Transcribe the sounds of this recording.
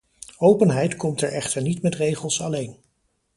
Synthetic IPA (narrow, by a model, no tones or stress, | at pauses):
owpənɦɛjtkɔmtɛɹʔɛχtəɹnitmɛtrejχəlˠsɑlejn